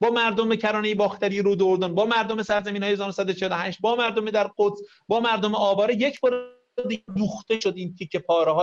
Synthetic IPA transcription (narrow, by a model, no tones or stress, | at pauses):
bɒːmæɾd̪ombecʰæɾɒːnejebɒːxt̪ʰæɾijeɾud̪oɾd̪onbɒːmæɾd̪omesæɾzæmiːnhɒːjezɒːɾosæd̪ot͡ʃʰehd̪ohæʃt̪̚bɒːmæɾd̪omed̪æɾqot̪s | bɒːmæɾd̪omeɒːbɒːɾejecʰbɒːɾ | d̪ied̪uːxt̪eʃod̪iːmkʰecʰepʰɒːɾeɦɒː